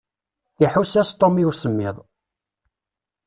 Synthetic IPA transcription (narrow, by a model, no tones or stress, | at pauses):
iħusæst̪ˤomiusəmːɪðˤ